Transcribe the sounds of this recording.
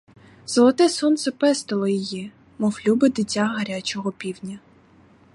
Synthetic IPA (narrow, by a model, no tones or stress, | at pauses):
z̥ɔlˠɔt̪ɛsɔnt̪sɛpɛst̪ɔlˠɔjɔji | mɔwlʲubɪd̪ɪtʲːaɦɐɾʲat͡ʃɔɦɔpʲiwnʲɐ